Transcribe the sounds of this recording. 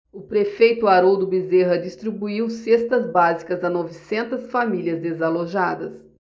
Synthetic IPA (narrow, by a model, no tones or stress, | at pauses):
ʊpɾefejt̪ʊaɾowd̪ʊbizeɦɐd͡ʒist̪ɾibuiwsest̪ɐzbazikɐzɐnɔvisẽnt̪ɐsfamiliɐzd̪ezaloʒad̪ɐs